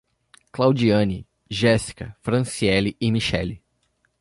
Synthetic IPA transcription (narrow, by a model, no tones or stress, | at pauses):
klawd͡ʒiɐ̃nɪ | ʒɛsi̥kɐfɾɐ̃siɛlɪʔɪmiʃɛli